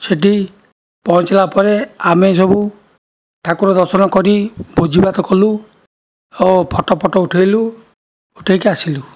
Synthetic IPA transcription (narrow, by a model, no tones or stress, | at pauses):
seʈi | pɔnt͡ʃlapɔɾeames̬ɔbu | ʈʰakuɾɔd̪ɔɾsɔnɔkɔɾibod͡ʒibat̪ɔkɔlu | opʰɔʈɔpʰɔʈɔuʈʰejlu | uʈʰejkeasilu